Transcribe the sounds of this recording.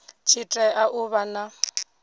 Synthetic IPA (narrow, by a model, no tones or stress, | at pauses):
t͡ʃʰitʼɛʔaʔʊβana